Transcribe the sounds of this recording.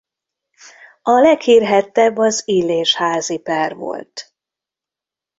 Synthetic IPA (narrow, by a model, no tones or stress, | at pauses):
ɒlɛkhiːrɦɛt̪ːɛbːɒzileːʃhaːzipɛrvo̰lt̪